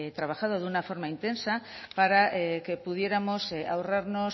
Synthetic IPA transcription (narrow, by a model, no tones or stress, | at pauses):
et̪ɾaβaxað̞oðunafo̞ɾmaint̪ensapaɾaʔekepuð̞je̞ɾamoseaoraɾnos